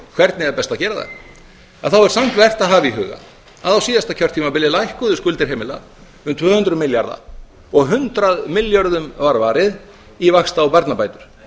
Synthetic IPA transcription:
kʰv̥ɛɾt̪nɪɛðapɛst̪acɛːɾaða̰ | aðθawɛɾ̥sam̥t̪vɛr̥t̪aðɦaːviɦʏːɣa̰ | aðawsiːðast̪acʰœr̥t̪ʰːiːmapɪlɪlajhkɔðʏskʏlt̪ɪɾ̥ɦeːmɪla | ʏmt̪ʰv̥œːhʏnt̪ɾʏmɪljaɾða̰ | ɔɣɦʏnt̪ɾaðmɪljɔɾðʏmvaɾvaːɾɪð | ivaxst̪aːwpaɾt̪napaːjt̪ʏɾ̥

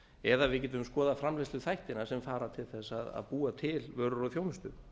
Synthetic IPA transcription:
ɛðavɪðcɛːt̪ʏʏmskɔːðafɾamlajst̪ʏθajht̪ɪnasɛmfaːɾat̪ʰɪlθɛsaða̰ðpuːat̪ʰɪlvœːɾʏɾɔθjownʏst̪ʏ

